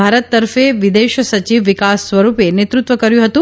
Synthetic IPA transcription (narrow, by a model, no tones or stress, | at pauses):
aɾət̪ːəɾfeʋid̪eʃsət͡ʃiʋːikasːʋəɾupenet̪ɾut̪ʋəkəɾjũɦət̪ũ